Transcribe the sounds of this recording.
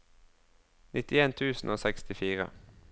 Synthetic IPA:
nʔɪt̪ɪeːnt̪ʰʉːsn̩ʔoːsɛkst̪ɪfiːʁə̰

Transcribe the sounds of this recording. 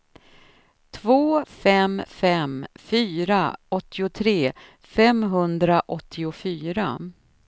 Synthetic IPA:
t̪ʰvoːfɛmfɛmfyːɾaɔt̪ʰːɪʊt̪ʰɾeː | fɛmɦɵnd̪ɾaʔɔt̪ʰːɪʊfyːɾa

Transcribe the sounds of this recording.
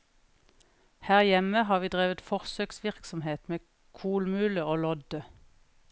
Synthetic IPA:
hæːʁjɛməhɑːʁʋiːd̪ʁeːʋət̪fɔʁsøːksʋɪʁksɔmheːt̪meː | kʰuːlmʉːləoːlɔd̪ə

